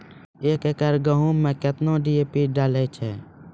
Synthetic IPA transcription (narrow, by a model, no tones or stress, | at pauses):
eːkekəɾɡəɦũːmɛ̃ːkɪt̪nõːɖieːpiːɖaːleːt͡ʃʰɛː